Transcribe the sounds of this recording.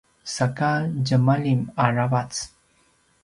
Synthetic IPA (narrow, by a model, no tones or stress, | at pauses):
sakad͡ʑəmalimaɹavat͡s